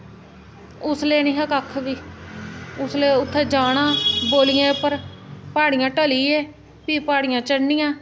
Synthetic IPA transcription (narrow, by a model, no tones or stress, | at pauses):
ʊsleːñiːɦəkəkʰːʋiː | ʊsleːʊt̪ʰːeːd͡ʒaːɽãːboːlɪjãːpəɾpaːɽɪjãːʈəliːɛː | piːpaːɽɪjãːt͡ʃəɽnɪjãː